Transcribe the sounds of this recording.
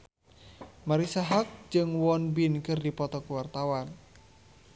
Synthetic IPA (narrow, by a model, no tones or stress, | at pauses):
maɾisaɦak̚d͡ʒɨŋwɔnbinkɨrdipɔt̪ɔkuwart̪awan